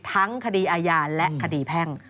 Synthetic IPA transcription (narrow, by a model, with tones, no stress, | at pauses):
t̪ʰa˦˥ŋkʰa˧diː˧ʔaː˧jaː˧lɛ˦kʰa˧diː˧pʰɛ˥˩ŋ